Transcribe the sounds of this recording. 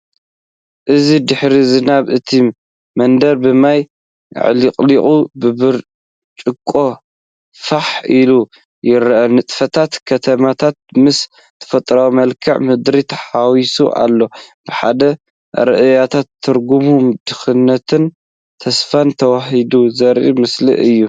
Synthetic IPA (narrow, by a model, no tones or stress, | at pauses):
ʔɨzid̪ɨħɾizɨnaβɨt̪ʰi | mɐnd̪ɐɾbɨmaj̰ | ʕlikʼliχʼubɨbɨɾ | t͡ʃʼɨkʼːo̞ | faħilu | jɪɾʔɐnɨt̪ʼfɐt̪ʰat̪kʰɐt̪ʰɐmat̪ʰat̪̚mɨs | t̪ʰɐ̥fɐt̪ʼɾawmɐlkʰɐʕmɨd̪ɾit̪ʰɐ̥ħawisṵʔa̰lːo̞b̥ɨħa̰d̪ɐ | ɾɨʔɨjat̪ʰat̪ʰːɨɾɡumumd̪ɨxɨnːɐt̪ʰɨn | t̪ʰɐsfant̪ʰɐwaɦid̪uzɐɾʔḭmɨslḭʔɨjːu